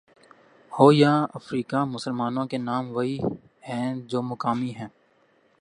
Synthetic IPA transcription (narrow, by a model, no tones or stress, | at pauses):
hoːjaːəfɾiːkamʊsəlmaːnõkenaːmʋɐi | hɛ̃ːd͡ʒoːmʊkaːmiɦɛ̃ː